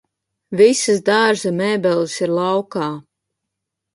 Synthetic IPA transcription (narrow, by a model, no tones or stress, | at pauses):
visɨzd̪aɾʒamɛːbɛlˠɨsiɾlˠɑwkaː